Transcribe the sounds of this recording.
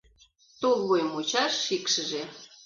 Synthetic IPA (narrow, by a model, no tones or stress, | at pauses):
t̪olβojmut͡ɕɑʃːikʃə̆ʒe